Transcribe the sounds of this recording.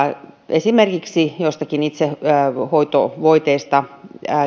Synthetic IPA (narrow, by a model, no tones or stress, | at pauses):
esimerkiksijost̪ɑkinit̪sehoit̪o̰ʋoit̪eist̪ɑ